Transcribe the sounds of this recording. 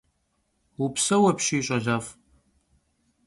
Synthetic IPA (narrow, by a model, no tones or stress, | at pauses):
upsɐwɐpɕiːɕʼɐʒaːf